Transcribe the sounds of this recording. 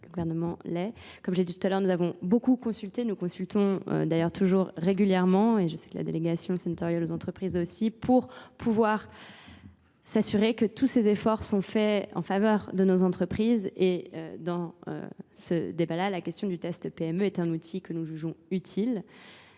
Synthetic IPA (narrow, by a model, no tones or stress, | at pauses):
ləɡuvɛʁnəmɑ̃lɛkɔmʒed̪it̪u̥t̪alœʁnuzavɔ̃bokukɔ̃sylt̪enukɔ̃sylt̪ɔ̃ø̰d̪ajœʁt̪ʰuʒuʁːeɡʲyljɛʁmɑ̃eʒəsɛ̥kəla̰d̪eleɡasjɔ̃senat̪ɔʁjɛlozɑ̃t̪χəpχizosipʰuʁpʰuvwaʁ | sasyʁekət̪ʰusezefɔʁsɔ̃fɛɑ̰̃favœʁd̪ənozɑ̃t̪χəpχizeø̰d̪ɑ̃ø̰sə̰d̪ebalalakʲɛst̪jɔ̃d̪yt̪ɛst̪peɛmøɛt̪ɛ̃nut̪ʰikənuʒyʒɔ̃yt̪ʰil